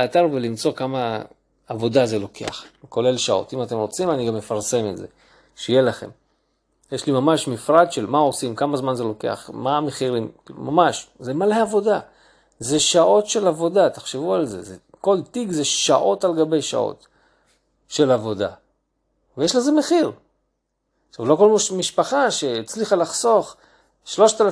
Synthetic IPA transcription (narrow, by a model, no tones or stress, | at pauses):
aat̪aʁvelimt͡so̞kamaː | vo̞daze̞lo̞kḛa̰χko̞le̞lʃao̞̰timate̞mʁot͡simaniɡamːefaʁse̞me̞tze̞̰ | ʃejelaχem | jeʃlimamaʃmifʁadʃelmaosimkamazmanze̞lo̞ke̞̰a̰χmameχiʁimma̰maʃzemaleavo̞da | ze̞ʃaʔo̞tʃe̞lavo̞d̪at̪ḁχʃevualze̞̰zeko̞lt̪iɡzeʃaʔo̞talɡabejʃa̰ʔo̰t | ʃe̞lavo̞d̪a̰ | vejeʃleze̞meχiʁ | ʃavlo̞ko̞lmiʃpaχaʃeit͡sliχalaχso̞χ | ʃlo̞ʃt̪ala